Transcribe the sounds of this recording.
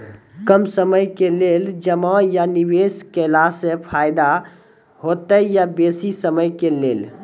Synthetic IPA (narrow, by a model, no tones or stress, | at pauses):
kəmsəməjkeleld͡ʒəmajanibeskelasẽpʰajd̪a | ɦot̪əjabesisəməjkelel